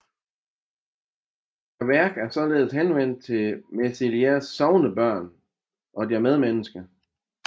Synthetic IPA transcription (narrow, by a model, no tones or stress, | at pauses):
ʋæɐɡ̥æɐsɒ̽le̝ːð̞̩ˠshenʋen̰d̥̚t͡sʰe̝mesiliæsːɒʊnəb̥ɶɐ̰n | ʔɒ̽d̥iæɐmeð̞ˠmenəsɡ̥ɐ